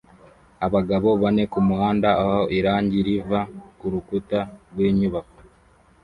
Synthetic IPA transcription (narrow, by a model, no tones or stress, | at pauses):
aβaɡaβo̞βane̞kumuhaːndaːhoʔiɾaːɲɟiɾivakuɾukutaɾɡweːɲuβako